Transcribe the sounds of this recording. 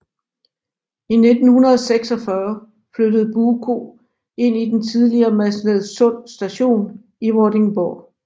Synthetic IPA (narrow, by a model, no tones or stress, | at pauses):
ine̝d̥n̩hunɐðˠɒseɡ̥sɒ̽fɶɐ | flød̥əð̞̩ˠb̥uːkʰo̝ | e̝n̰id̥ent͡sʰið̞ˠliɐːmæsleðˠsɔ̽n̰sd̥æɕo̝̰ːn | iʁɔd̥e̝ŋb̥ɒ